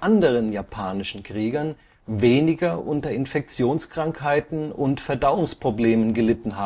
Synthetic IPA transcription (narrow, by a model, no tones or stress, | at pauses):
ʔandəʁ̞ənjaːpʰaːnɪʃn̩kʁ̥iːɡɐn | veːnɪɡɐʔʊntɐɪnfɛk̚t͡sjoːnskʁ̥aŋkhaɪtn̩ʊntfɛɐdaʊʊŋspʁ̥obleːmənɡəlɪtn̩ɦaː